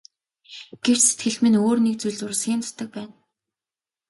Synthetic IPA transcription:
ɡ̥ew̥t͡ɕset̪̚ɡɘ̆ɮmɘ̆noːrnek̚t͡sujɮʊr̆sxʲiːnt͡s̪ʰʊ̥t̪ə̆k̚pæːn

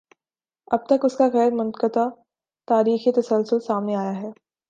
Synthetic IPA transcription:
ɐb̚t̪ɐkʊskaɣɛːɾmʊnkət̪a | t̪aːɾiːxit̪ɐsəlsʊlsaːmneaːjaɦɛː

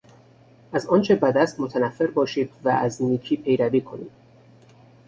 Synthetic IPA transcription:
ʔæzɒːnt͡ʃʰebæd̪æst̪mot̪ʰænæfːe̞ɾbɒːʃiːd̪vææzniːkʰiːpʰe̞jɾæviːkʰonḭːd̪̥

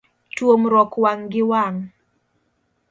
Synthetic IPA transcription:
twomɾɔkwaŋɡɪwaŋ

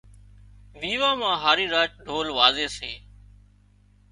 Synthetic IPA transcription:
ʋiːʋãːmãːɦaːɾiːɾaːt͡ʃɖʱoːlʋaːzeːseː

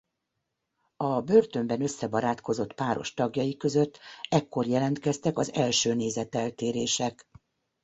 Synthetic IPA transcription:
ɒbø̞rt̪ø̞mbɛnø̞sːɛbɒɾaːt̪ko̞zo̞t̪paːɾo̞̰ʃt̪ɒɡjɒjikø̞zø̞t̪ːɛkːo̞rjɛlɛnt̪kɛst̪ɛkɒzɛlʃøːneːzɛt̪ɛlt̪eːɾeːʃɛk

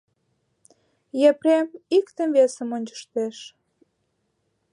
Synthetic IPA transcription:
jepremikt̪ə̆mvesəmonʲt͡ɕə̥ʃt̪eʃ

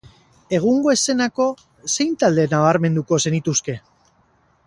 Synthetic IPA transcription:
e̞ɣ̞uŋɡo̞ese̞nako̞ | se̞jnt̪ald̪e̞naβaɾme̞nd̪uko̞se̞nit̪uske̞

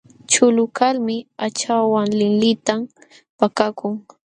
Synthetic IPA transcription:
t͡ʃʊlʊkalmɪat͡ʃawaŋlɪŋlɪt̪am | pakakʊŋ

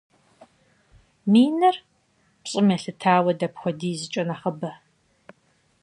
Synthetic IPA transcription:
miːnɐr | pɕʼɪmɐɬɨtʰaːwɐdɐpxʷɔdiːzɨt͡ʃʼɐnaχɐbɐ

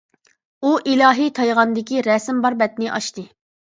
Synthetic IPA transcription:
uʔilɑːɦit̪ʰɑjʁɑnd̪ɪkʲiɾɛsɪmbɑɾbɛt̪nɪʔɑʃt̪ɨ

